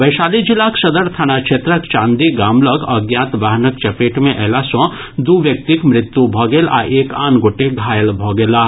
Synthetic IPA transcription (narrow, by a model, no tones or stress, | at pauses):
ʋɐjʃaːlid͡ʒɪlaːksɐd̪əɽt̪ʰañakʃʰeːt̪ɾəkt͡ʃãːnd̪iɡaːmlɔɡɐɡjaːt̪ʋaːɦnək̚t͡ʃɐpeːʈmẽʔɛːlasɔ̃ | d̪uʋjɐk̚t̪ikmɾɪt̪ːjubʱɔːɡela̰ʔeːkaːnɡoːʈeɡʱaːjəlbʱɔːɡelaː